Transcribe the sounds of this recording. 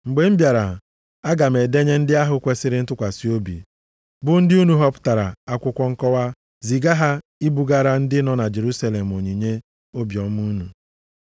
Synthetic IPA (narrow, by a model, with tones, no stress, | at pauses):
ŋ͡m̩˨ɡ͡be˨m̩˦bja˨ɾa̰˨ | a˦ɡa˨m̩e˨de˦ɲe˦n̩˦dɪ˦a˦ɦʊ˦kʷe˦sɪ˦ɾɪ˦n̩˦tʊ˦kʷa˨si˦o˦bḭ˨ | bʊ˨n̩˦dɪ˦u˦nu˨ɦɔ˦pʊ̥˦ta˨ɾa̰˨a˦kʷʊ˦kʷɔ˦ŋ̩˦kɔ˦wa˦ | zi˨ɡa˦ɦa˦ | i˦bu˨ɡa˦ɾa˦n̩˦dɪ˦nɔ˦na˨d͡ʒe˨ɾu˦sa˦le˨m̩˨o˨ɲi˨ɲe˦ | o˦bjɔ˨m˦u˦nu˨